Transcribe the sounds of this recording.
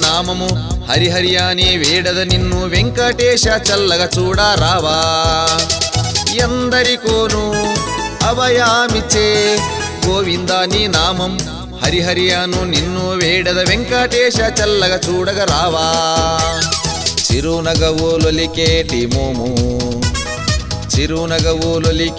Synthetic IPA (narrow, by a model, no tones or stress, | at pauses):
naːmɐmuhɐɾiɦɐɾijaːniʋeːɽɐd̪ɐninːuʋeŋkaːʈɛːʃɐt͡ʃɐlːɐɡɐt͡ʃuːɽaɾaːʋaː | jɐnd̪ɐɾikoːnu | ɐʋɐjaːmit͡ʃekoːʋind̪aːninaːmɐm | hɐɾiɦɐɾijaːnuninːuʋeːɽɐd̪ɐʋeŋkaːʈɛːʃɐt͡ʃɐlːɐɡɐt͡ʃuːɽɐɡɐɾaːʋaː | t͡ʃiɾunɐɡɐʋuːlolikeːʈimoːmu | t͡ʃiɾunɐɡɐʋuːlolik